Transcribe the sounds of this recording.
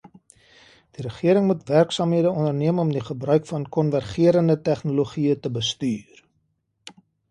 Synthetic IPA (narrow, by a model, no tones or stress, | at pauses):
d̥iɾəχiəɾəŋmutværksɑːmɦiədəɔnərniəmɔmdiχəbrœɥkfɐnkɔnværχiəɾəndətæχnoloχiətəbəstyːr